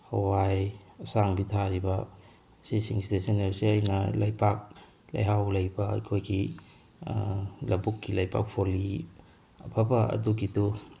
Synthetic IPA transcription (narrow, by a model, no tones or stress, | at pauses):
owajɐsaŋbitʰaɾibɐ | sisiŋstesenlesiɐjnɐlɐjpʰak̚ | lɐ̰jɦawlɐjbɐɐ̰jkʰojɡi | lɐbukːilɐjpʰa̰k̚pʰoli | ɐ̰pʰabɐɐ̰duɡitu